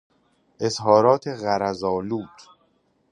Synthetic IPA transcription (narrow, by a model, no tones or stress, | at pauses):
ʔezɦɒːɾɒːt̪ʰeɣæɾæzɒːluːt̪ʰ